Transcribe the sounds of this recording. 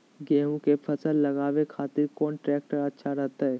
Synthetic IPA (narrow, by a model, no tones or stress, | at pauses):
ɡɛːɦũkepʰɐsəlːɐɡaːʋekʰaːt̪ɪɾkɔːnʈɾɛːk̚ʈaɐːʃʰaɾɐɦt̪aɦɛː